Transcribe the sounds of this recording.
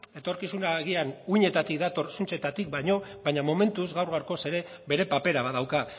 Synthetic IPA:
e̞t̪o̞ɾkisunaɣ̞ianuiɲe̞t̪at̪ik̚d̪at̪o̞rsunt͡ʃe̞t̪at̪ik̚bajɲo̞βajɲamo̞me̞nt̪uzɣawɾɣawɾko̞se̞ɾe̞ | βe̞ɾe̞pape̞ɾaβaðawka

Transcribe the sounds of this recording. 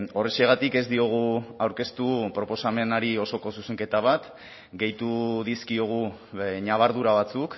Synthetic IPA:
o̞reseɣ̞at̪ike̞zd̪io̞ɣ̞uawɾke̞st̪upɾo̞po̞same̞naɾio̞so̞ko̞suseŋke̞t̪aβ̞at̪ | ɡe̞jt̪uðiskio̞ɣ̞u | ɲaβ̞aɾðuɾaβ̞at͡suk

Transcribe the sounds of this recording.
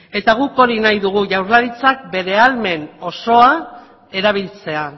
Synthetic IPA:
e̞t̪aɣ̞uko̞ɾinajðuɣ̞uʝawɾlaɾit͡sak̚be̞ɾe̞alme̞no̞so̞a | e̞ɾaβ̞ilt͡se̞a

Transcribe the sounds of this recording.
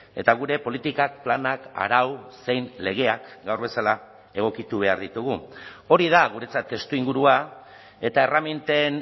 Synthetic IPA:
e̞t̪aɣ̞uɾe̞po̞lit̪ikak̚planaka̰ɾawse̞jnle̞ɣ̞e̞akɡawɾβe̞sala | e̞ɣ̞o̞kit̪uβ̞e̞aɾðit̪uɣ̞uo̞ɾiðaɣuɾe̞t͡sat̪ːe̞st̪uiŋɡuɾua | e̞t̪ae̞ramint̪e̞n

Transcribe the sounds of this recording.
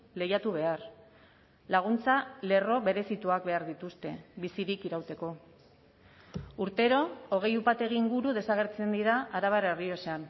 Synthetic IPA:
le̞jat̪uβ̞e̞ar | laɣ̞unt͡sale̞ro̞βe̞ɾe̞sit̪uak̚be̞aɾðit̪ust̪e̞̰βisiɾikiɾawt̪e̞ko̞ | uɾt̪e̞ɾo̞ːɣ̞e̞jupat̪e̞ɣiːŋɡuɾuðe̞saɣ̞e̞ɾt͡se̞nd̪iɾaaɾaβaɾerio̞sean

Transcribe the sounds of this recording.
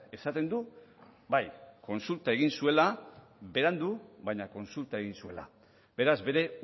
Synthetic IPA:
e̞sat̪e̞nd̪ubajko̞nsult̪ae̞ɣinsue̞la | βe̞ɾand̪uβajɲako̞nsult̪ae̞ɣinsue̞la̰ | be̞ɾazβe̞ɾe̞

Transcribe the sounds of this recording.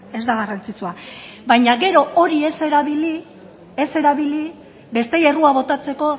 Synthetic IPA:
e̞zd̪aɣ̞arant͡sit͡suabajɲaɣe̞ɾo̞ʔo̞ɾiese̞ɾaβili | ese̞ɾaβili | be̞st̪e̞e̞ruaβo̞t̪at͡se̞ko̞

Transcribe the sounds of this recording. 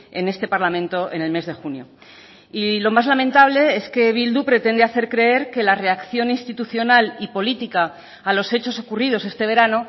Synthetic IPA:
e̞ne̞st̪e̞paɾlamẽ̞nt̪o̞ʔe̞ne̞lme̞zðe̞xunjo̞̰ | ilo̞mazlamẽ̞nt̪aβ̞le̞e̞ske̞β̞ild̪upɾe̞t̪e̞nd̪eaθe̞ɾkɾe̞e̞ɾke̞lare̞akθjo̞ninst̪it̪uθjo̞nalipo̞lit̪ikaː | lo̞se̞t͡ʃo̞so̞kurið̞o̞se̞st̪e̞β̞e̞ɾano̞

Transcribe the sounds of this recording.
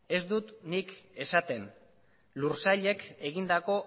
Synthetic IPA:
e̞zd̪ut̪nike̞sat̪e̞n | luɾsaʎe̞ke̞ɣ̞ind̪ako̞

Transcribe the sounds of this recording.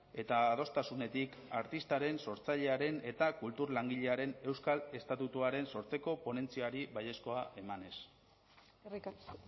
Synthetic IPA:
e̞t̪aːðo̞st̪asune̞t̪ik | aɾt̪ist̪aɾe̞nso̞ɾt͡saʎe̞aɾe̞ne̞t̪akult̪uɾlaŋɡiʎe̞aɾe̞ne̞wskale̞st̪at̪ut̪uaɾe̞nso̞ɾt͡se̞ko̞po̞ne̞nt͡siaɾiβaʎe̞sko̞aʔe̞mane̞s | rik

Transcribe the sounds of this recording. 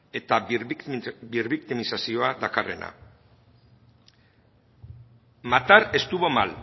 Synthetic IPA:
e̞t̪a | birβik̚t̪imisasio̞aðakare̞̰na̰ | mat̪aɾe̞st̪uβomal

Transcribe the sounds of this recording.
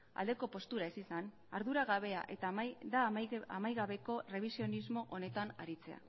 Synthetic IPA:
a̰ld̪e̞ko̞po̞st̪uɾae̞sisan | aɾðuɾaɣaβe̞aʔet̪ad̪aamajɣaβe̞ko̞re̞β̞isio̞nizmo̞ʔo̞ne̞t̪ana̰ɾit͡se̞a̰

